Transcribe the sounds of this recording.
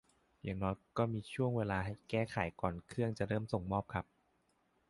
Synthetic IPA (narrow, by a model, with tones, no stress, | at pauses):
ja˨˩ŋnɔː˦˥jkɔː˥˩miː˧t͡ɕʰu˥˩əŋweː˧laː˧ɦa˥˩jkɛː˥˩xʰa˨˩˦jkɔː˨˩nkʰɯ˥˩əŋt͡ɕa˨˩ɾɤː˥˩mso˨˩ŋmɔː˥˩p̚kʰa˦˥p̚